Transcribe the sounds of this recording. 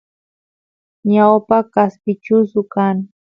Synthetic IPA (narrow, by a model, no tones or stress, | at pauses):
ɲawpakaspɪt͡ʃʊsʊkaŋ